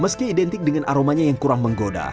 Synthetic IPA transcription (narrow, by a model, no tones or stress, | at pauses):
məskiːdɛnt̪ɪk̚dəŋanʔaɾomaɲajaŋkuɾaŋməŋɡoda̰